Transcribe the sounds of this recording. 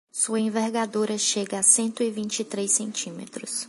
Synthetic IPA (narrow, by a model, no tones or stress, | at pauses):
suɐẽveɾɡad̪oɾɐʃeɡɐasẽnt̪ʊɪvĩnt͡ʃɪt̪ɾesẽnt͡ʃĩmḛt̪ɾʊs